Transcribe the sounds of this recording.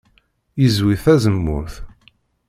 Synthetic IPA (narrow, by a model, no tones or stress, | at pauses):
jəzwiθæzəmːʊ̰ɾθ